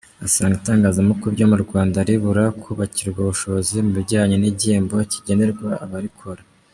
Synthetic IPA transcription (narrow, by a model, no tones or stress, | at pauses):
asaːŋɡitaːŋɡaːzamokubɟo̞muɾɡwaːndaɾiβuɾakʰoβaciɾɡwaβuʃoβozimuβiɟaːɲeniɟiːmbo̞ciɟe̞ne̞ɾɡwaaβaɾikʰoɾa